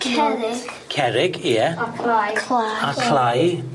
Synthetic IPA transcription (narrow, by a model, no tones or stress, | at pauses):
kʰɛ̥kʰɛɾɪɡiəkʰlakʰlaj